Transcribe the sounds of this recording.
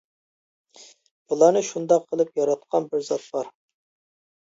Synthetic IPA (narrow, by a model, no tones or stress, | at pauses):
bulˠɑnɨʃund̪ɑqʰːəlˠɨpjɑɾɑt̪̚qʰɑnbɪɾzɑt̪̚b̥ɑɾ